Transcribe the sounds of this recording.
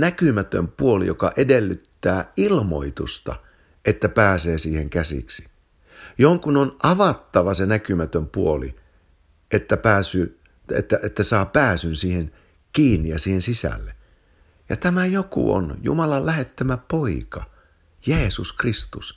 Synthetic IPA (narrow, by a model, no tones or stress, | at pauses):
nækymæt̪ø̰mpuolḭjokɑʔedelːyt̪ːæːilmo̰it̪ṵst̪ɑ̰ | ʔet̪ːæpæːseːsiːheŋkæsḭksi̥ | joŋkunonʔɑʋɑt̪ːɑʋɑsenækymæt̪ømpuolḭ | ʔet̪ːæpæːsyː | ḛt̪ːæʔet̪ːæsɑːpæːsynsiːhen | kiːnːijɑsiːhensisæ̰lːe | jɑt̪æmæjokṵo̰njṵmɑlɑllæhet̪ːæmæpoikɑ | jeːsuskrist̪us